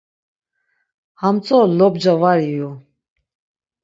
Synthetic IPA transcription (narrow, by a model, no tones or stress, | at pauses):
hamt͡sʼɔlɔbd͡ʒavaɾiju